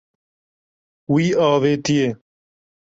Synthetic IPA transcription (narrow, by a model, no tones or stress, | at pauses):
wiːaːʋeːt̪ijeː